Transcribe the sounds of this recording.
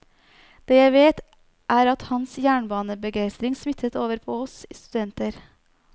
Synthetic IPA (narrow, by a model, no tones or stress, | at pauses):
d̪̥eːjæɪʋeːt̪ | ʔæːɾɑt̪hɑnsjæːɳbɑːnəbəɡæɪst̪ɾɪŋsmɪt̪ʰːət̪oːʋəɾpʰoːɔsiːst̪ʉd̪ɛnt̪əɾ